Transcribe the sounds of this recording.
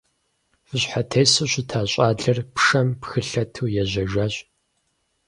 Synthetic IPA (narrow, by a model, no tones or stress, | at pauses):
fɨɕħatʰeːsuːɕʷɪtʰaːɕʼaːɮɐrpʂɐmpxɨɬɐtʰuːjɛʑɐʒʷaːɕʼ